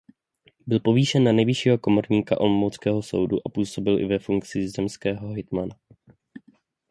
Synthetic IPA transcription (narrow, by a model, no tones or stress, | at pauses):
bɪlpo̞viːʃɛnːanɛjvɪʃiːɦo̞ko̞mo̞ɾɲiːkaʔolmowt͡skɛːɦo̞so̞̰wdṵʔapuːso̞bɪlʔɪ̰vɛfuŋk̚t͡sɪzɛmskɛːɦo̞ɦɪt̪mana